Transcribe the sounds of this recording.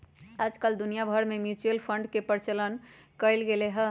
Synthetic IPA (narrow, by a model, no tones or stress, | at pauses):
ad͡ʒkəld̪unijabʱəɾmemjut͡ʃuəlpʰəɳɖkepəɾt͡ʃələn | kəjlɡeleɦə̃